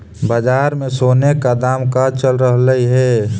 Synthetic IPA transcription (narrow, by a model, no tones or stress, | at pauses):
bad͡ʒaːɾmẽsoːnekad̪aːmkat͡ʃəlɾəɦləiɦɛ